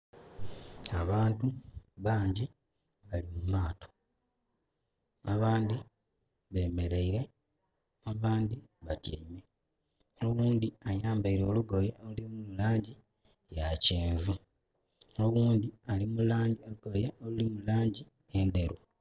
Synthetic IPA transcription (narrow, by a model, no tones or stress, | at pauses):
aβaːntuβaːɲɟi | βalimumaːtʰo̥ | aβaːndi | βe̞ːme̞ɾe̞iɾe̞ | aβaːndiβatjeːme | olowuːndiajaːmbaiɾo̞ːluɡojeolulimuulaːɲɟi | jaceːɱvu | oloɣuːndialimulaːɲɟiouɡojeʔolulimulaːɲɟi | endeɾu